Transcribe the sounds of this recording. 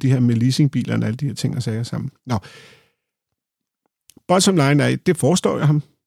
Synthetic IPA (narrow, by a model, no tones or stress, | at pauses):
d̥iɦæɐ̰meliːse̝ŋb̥ḭːlʔɐnæləd̥iheɐ̰t͡sʰe̝ŋ̰ɒsɛːɐsɑ̈m̰n̩nɒ̽ | b̥ɒ̽d̥sɒ̽mlɑ̈ɪnæd̥e̝fɒːsd̥ɒ̰ːjɑ̈ɪhɑ̈m